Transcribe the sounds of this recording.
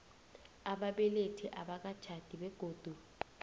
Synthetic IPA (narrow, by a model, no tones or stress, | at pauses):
aɓaɓɛletʰiʔaɓak̬ad̥ʒ̥ʰʱad̥ʱiɓɛɡ̥ʱoːd̥ʱu